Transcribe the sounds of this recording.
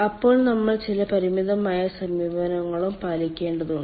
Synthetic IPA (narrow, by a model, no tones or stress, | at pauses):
ɐpːo̞ːɭnɐmːɐɭt͡ɕilɐpɐɾimiðɐmaːjɐsɐmiːʋɐnɐŋːɐɭumpaːlikʲːe̞ːɳɖɐðuɳɖ